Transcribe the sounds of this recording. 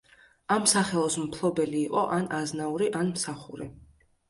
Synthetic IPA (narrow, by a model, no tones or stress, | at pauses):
amsaχɛlˠɔsmpʰlˠɔbɛliːqʼɔʔanaznauɾiʔanmsaχuɾi